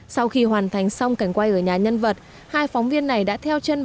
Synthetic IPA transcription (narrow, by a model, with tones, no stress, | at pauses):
sa˧wxi˧ɦwaː˨˩nt̪ʰa˨˩jŋ̟sa˧wŋ͡mka˧˩jŋ̟kwa˧jʔəː˧˩ɲaː˨˩ɲə˧nvə˨˩t̚ | haː˧jfɔ˨˦wŋ͡mvi˧ənːa˨˩jɗa̰ː˧˥t̪ʰɛ˧wt͡ɕe˧n